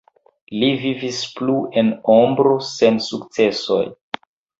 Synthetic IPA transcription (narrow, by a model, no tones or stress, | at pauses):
livivispluʔe̞nombɾose̞nsukt͡se̞so̞̰j